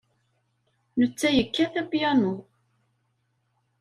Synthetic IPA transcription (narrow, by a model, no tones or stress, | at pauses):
nət͡sːæjəkːæθæpjænʊ